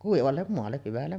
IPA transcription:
kuiʋɑlːem moɑlːe hyʋælːem

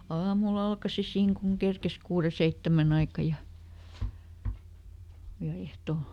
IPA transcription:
ɑːmul ɑlkɑsi siːŋ kuŋ kerkes kuːre seitːæmæn ɑikɑ jɑ jɑ ehto

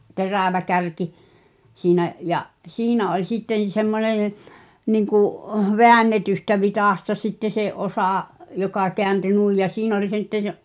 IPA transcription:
teræˑʋæ kærki siːnæʔ jɑʔ siːnæ olʲ sitːen̞ semːonen̞ niŋkuʔ ʋeænːetystæ ʋitɑˑstɑ sitːe se ʔosɑˑ jokɑ keænty nuˑij jɑ siːn olʲ sitːə səʔ

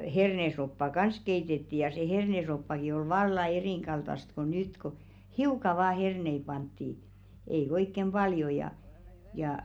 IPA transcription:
hernesopːɑ kɑns keitetːi jɑ se hernesopːɑki oi ʋɑlːɑ eriˑŋɡ̊ɑltɑst ko nyt ko hiukɑ ʋɑː hernei pɑntːi ei oikːem b̥ɑljo jɑ jɑˑ

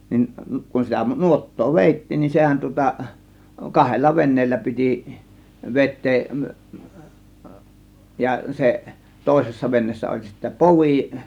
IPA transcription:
nin kun sitæ nuotːoː ʋeˑitːiːn nin sehæn tŭŏtɑ kɑhelːɑ ʋenˑeːlːæ piti ʋetˑeːʔ jɑ seʔ toˑe̝sesːɑ ʋenːeːsːæ olʲ sitːæ poʋiˑ

